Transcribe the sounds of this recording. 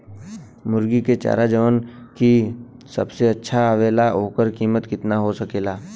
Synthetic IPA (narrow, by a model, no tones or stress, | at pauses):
mʊɾɡiket͡ʃa̰ːɾad͡ʒəʋənki | sə̰bseɐtːʃʰaːʋeːlaɦoːkəɾkiːmət̪kɪt̪naɦosɐkeːlaː